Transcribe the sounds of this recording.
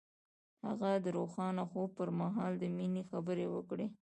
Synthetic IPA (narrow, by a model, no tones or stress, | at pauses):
ha̰ɣad̪əɾoxɑnaxob̚pəɾmaɦɑld̪əminexabəɾewəkɽe